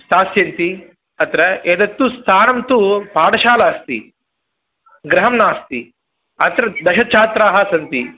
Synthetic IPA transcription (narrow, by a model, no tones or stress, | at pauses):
ssaːsjɐnt̪i | ɐt̪ɾɐed̪ɐt̪ːust̪ʰaːnɐmt̪upaːɽɐʃaːlaːst̪ḭ | ɡɾɐɦɐmnaːst̪i | ɐt̪ɾɐd̪ɐʃɐt͡ʃʰaːt̪ɾaːɦɐsɐnt̪i